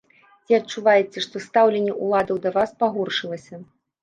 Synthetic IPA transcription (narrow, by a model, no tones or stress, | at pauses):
t͡sʲiɐt͡ʂːuvajɛt͡sʲɛʂt̪ɔst̪awlʲenʲːɛʔulˠad̪ɐwd̪ɐvaspaɣɔrʂɨlˠɐsʲɐ